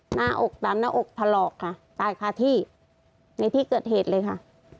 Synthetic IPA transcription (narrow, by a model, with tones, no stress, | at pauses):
naː˥˩ʔo˨˩k̚t̪a˨˦mna˦˥ʔo˨˩k̚t̪ʰa˧lɔː˨˩kʰːa˧˥˩t̪aː˨˩jkʰaː˧t̪ʰiː˧˩ | na˧jt̪ʰiː˥˩kɤː˨˩t̪̚ɦeː˨˩t̪̚lɤː˧jkʰa˥˩ʔ